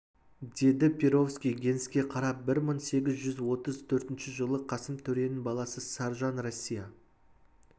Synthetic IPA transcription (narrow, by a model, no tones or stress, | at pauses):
d̪e̞d̪ɪpʰʲeɾo̞fskʲijɡʲe̞nskʲe̞qʰɑɾɑp̚bɪɾməɴse̞ɡʲɪzʒʏzwo̞t̪əzt̪ʰɵɾt̪ɪnʃɪʒəlˠəqʰɑsəmt̪ʰɵɾe̞nɪbɑlˠɑsəsɑɾʒɑnrosʲːijɑ